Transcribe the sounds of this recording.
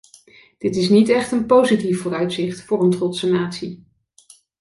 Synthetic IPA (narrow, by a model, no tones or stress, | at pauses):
d̥ɪtɪsnitɛχtənpowzitifʊːrœɥtsɪχtfʊːrəntrɔtsənaːtsi